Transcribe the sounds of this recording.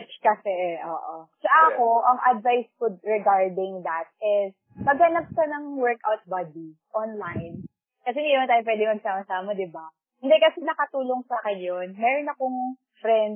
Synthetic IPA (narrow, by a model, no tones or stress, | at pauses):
t͡ʃkɐsɛʔo̰ːʔosɐʔɐko̞ʔɐŋʔɐd̪̚vajskod̪̚ɹɛɡaɹd̪ɪŋd̪ɐt̪̚ʔɪs | pɐɡ̚hɐnap̚ʃɐnɐŋwɛɹkʔawt̪̚bad̪iʔonlajn | kɐsɛmɛɾɐ̃nt̪ajop̬wɛd̪ɪŋmɐɡ̚saːmɐsaːmɐd̪ɪba | hɪnd̪ɛkɐsɛnɐkɐt̪uːlo̞ŋsaːkɛnjonmɛːɾonɐkoŋ | fɾɛnd̪̚